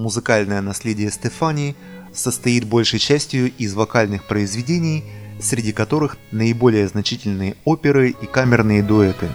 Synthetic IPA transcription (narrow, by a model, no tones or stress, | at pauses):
mʊzɨkalʲnəjənɐsʲlʲedʲɪjəst̪ɛfanʲɪ | səst̪ɐjit̪̚bo̞lʲʂəjt͡ɕæsʲtʲɪjʊɪzvɐkalʲnɨxpɾəɪzvʲɪdʲenʲɪjsɾʲɪdʲikɐt̪o̞ɾɨxnəɪbo̞lʲɪjəznɐt͡ɕitʲɪlʲnɨjəo̞pʲɪɾɨikamʲɪrnɨjəd̪ʊɛt̪ɨ